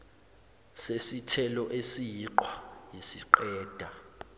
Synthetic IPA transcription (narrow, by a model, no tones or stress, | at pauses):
sesitʰɛlɔʔesijiǃwajisiǃɛːd̥ʱa